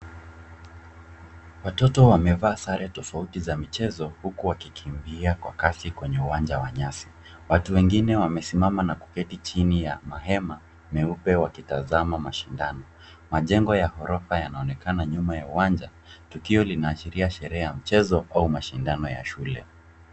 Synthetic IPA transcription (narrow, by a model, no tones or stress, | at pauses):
watɔtɔwamɛvaːsaɾɛtɔfautizamit͡ʃɛzɔhukuwakikʰimbiakwa̰kasikwɛɲɛuwand͡ʒawaɲasi̥ | watuwɛŋɡinɛwamɛsimamanaku̥kɛtit͡ʃinijamaɦɛma | mɛupɛwakitazamamaʃindanɔ | maʄɛŋɡɔjahɔɾɔfajanaɔnɛkanaɲumajauwand͡ʒa | tukiɔlinaːʃiɾiaʃɛɾɛajam̩t͡ʃɛzɔʔaumaʃindanɔja̰ʃulɛ̰